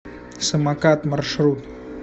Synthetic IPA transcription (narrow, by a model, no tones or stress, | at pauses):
səmakat̪məɾʃɾuːt̪